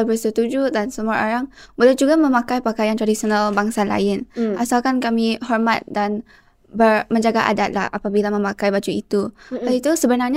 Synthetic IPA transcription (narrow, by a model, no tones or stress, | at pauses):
bərsət̪ud͡ʒudansəmuaoɾaŋbolɛhd͡ʒuɡamə̃makajpakajant̪ɾadisionalbaŋsala̰ɪnʔasalkankamihɔrmat̪̚dan | bərməɲd͡ʒaɡaʔa̰dat̪̚la̰hʔa̰pabilamə̃makajbad͡ʒuit̪uait̪usəbənarɲa